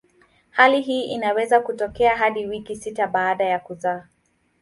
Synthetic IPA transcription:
haliɦiːʔinawɛzakutɔkɛaɦaɗiwikisitaɓaːɗajakuzaː

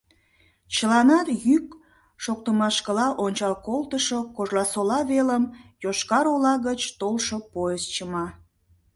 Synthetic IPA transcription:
t͡ɕəlɑnɑt̪jyk | ʃok̚t̪əmɑʃkəlɑʔonʲt͡ɕɑlkolˠt̪əʃokoʒlɑsolɑβeləmjoʃkɑɾolɑɣət͡ɕt̪olʃopojest͡ɕəmɑ

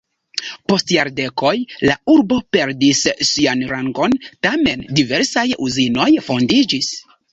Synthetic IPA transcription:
po̞stjaɾde̞ko̞jlauɾbo̞pe̞ɾdisːianɾaŋɡo̞ntame̞ndive̞ɾsajuzino̞jfo̞ndid͡ʒis

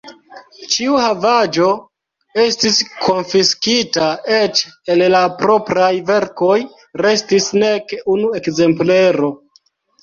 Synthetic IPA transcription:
t͡ʃiuhavad͡ʒo̞ | e̞stiskʰo̞nfiskitae̞t͡ʃe̞llapɾo̞pɾajve̞ɾko̞j | ɾe̞stisne̞kunue̞kze̞mple̞ɾo̞

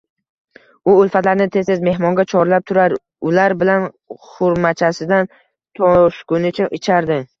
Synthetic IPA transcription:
ʊʊlfat̪laɾnɪt̪ʰe̞ze̞zme̞ɦmɒŋɡʲat͡ʃʰɒɾlap̚t̪ʰʊɾaɾ | ʊlaɾbɪlan | χʊɾmat͡ʃʰasɪd̪an | t̪ʰoʃkʊnɪt͡ʃʰaʔɪt͡ʃʰaɾd̪ɪ

